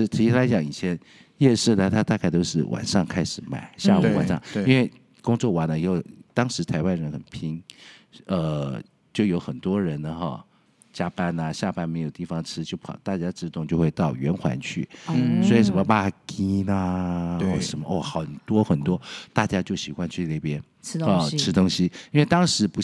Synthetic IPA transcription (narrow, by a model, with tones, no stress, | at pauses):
t̪ʰi˧˥i˥t̪ʰa˥la˧˥ɪt͡ɕjɑ˨˩ŋi˨˩t͡ɕʰjɛ˧˥n | jɛ˥˧ʂ̩˥˩d̪ə˨˩t̪ʰa˥t̪a˥˧ka˥˧ɪt̪o˥ʊʂɻ̩˥˩wʔa̰˨˩nʂɑ˥˧ŋkʰa˥ɪʂɻ̩˧˩ma̰˨˩˦ɪɕjja˥˧u˧˥wa̰˨˩nʂɑ˥˧˩ŋi˥nwe˥˩ɪ | kʊ˥ŋt͡swɔ˥˩wa˧˥nə˧i˧˥o˥˩ʊt̪ɑ˥ŋʂɻ̩˧˥t̪ʰa˧˥ɪwa˥nɻə˧˥nxə̰˨˩npʰi˥ŋ | ə˧ | t͡ɕjo˥˩ʊjo˧˥ʊxə˨˩nt̪wɔ˥ɻə˧˥nə˧xɔ̰˥˩ | t͡ɕja˥pa˥˧nɐ˨ɕja˥˧pa˥nme˧˥ɪjo˨˩ʊt̪i˥˩fɑ˨ŋʈ͡ʂʰɻ̩˥t͡ɕjo˥˩ʊpʰɑ̰˨˩t̪a˥˩t͡ɕja˥ʈ͡ʂɻ̩˥˧t̪ʊ˥˧ŋt͡ɕjo˥˧xwe˥˧ɪt̪ɑ˥˩ʊɥɛ˧˥nxwa̰˧˥nt͡ɕʰy̰˥˩swɔ˧˥i˨˩ʂə˧˥nmə˧ma˥˩ki˥nə˧ɔ˥˩ʂə˧˥nmə˧ʔɔ˥˩xɑ˧˨˩ʊ˨˩t̪wɔ˥xə˨˩nt̪wɔ˥t̪a˥˩t͡ɕja˥t͡ɕjo˥˩ʊɕi˨˩xwa˥nt͡ɕʰy˥˧ne˥˩ɪpjɛ˥n̩ʰ˥ɔ˥˩ʈ͡ʂʰɻ̩˥t̪ʊ˥ŋɕi˧˥i˥nwe˥˩ɪt̪ɑ˥ŋʂɻ̩˧˥pu˧˥